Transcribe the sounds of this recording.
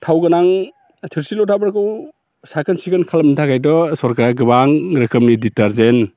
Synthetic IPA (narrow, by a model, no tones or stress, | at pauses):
tʰawɡɯnaŋ | tʰiɾsilɔtʰabaɾkɯw | sakʰɯnsikɯnkʰalmnintʰakʰajdɔsɔɾkaɾaɡɯbaŋɾɯkʰɯmniditaɾzen